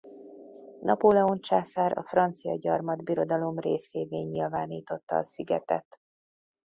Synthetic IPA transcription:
nɒpolɛo̞nt͡ʃaːsaːɾɒ̰frɒnt̪sijɒ̰ɟɒrmɒd̪biɾo̞d̪ɒlo̞mreːseːveːɲːilvaːniːt̪o̞t̪ːɒːsiɡɛt̪ɛ̰t̪

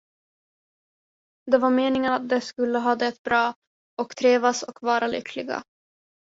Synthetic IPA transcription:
d̪ɛvaɾmeːnɪŋənat̪̚d̪ɛskɵlːəɦɑːd̪aɛt̪̚bɾɑː | ɔkt̪ʰɾeːvasɔ̰kvɑːɾalʏ̰kʰlɪɡa̰

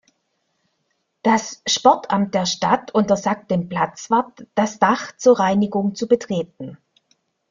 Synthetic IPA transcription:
d̥asʃpɔɐtʰʔamt̚d̥eːɐʃta̰tʔʊntɐzaːk̚t̚d̥eːmpl̥at͡sv̥aɐtd̥asd̥aχt͡suːɐʁaɪnɪɡʊŋt͡subətʁ̥eːt̚n̩

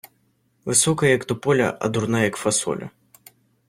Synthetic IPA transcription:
vɨsɔkɐjɐɐkt̪ʊpɔlʲɐ̰ʔɐ̰d̪urnajɐkfasɔ̰lʲʔɐ̰

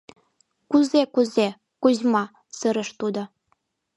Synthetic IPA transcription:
kuzekuze | kuʑmɑ | sɤɾə̆ʃt̪ud̪o

